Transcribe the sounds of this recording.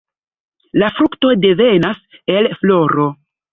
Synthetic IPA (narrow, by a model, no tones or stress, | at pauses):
lafɾukto̞de̞ve̞nase̞lflo̞ɾo̞